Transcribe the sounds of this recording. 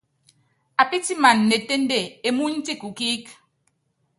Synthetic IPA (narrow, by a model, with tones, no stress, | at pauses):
a˨pi˦ti˦ma˨nːe˨te˦n˦de˦˨e˦mu˦n̩˦ti˦˨ku˨ki˦k